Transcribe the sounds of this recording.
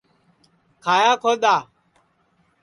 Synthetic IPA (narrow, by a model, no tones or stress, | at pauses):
kʰaːjaːkʰoːɗ̪aː